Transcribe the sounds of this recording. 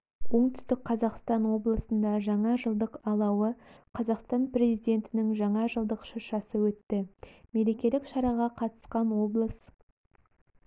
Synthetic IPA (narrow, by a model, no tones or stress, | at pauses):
wo̞ɴt̪ʏ̥st̪ɪk̚qʰɑzɑqst̪ɑnwo̞blˠəsənd̪ɑʒɑɴɑʒəlˠd̪əqɑlˠɑwəqʰɑzɑqst̪ɑnpre̞zijd̪ʲe̞nt̪ɪnɪŋʒɑɴɑʒəlˠd̪əqʃəʃɑsəwɵt̪ːɪme̞le̞kʲe̞lɪkʃɑɾɑʁɑqʰɑt̪ə̥sqɑnwo̞blˠəs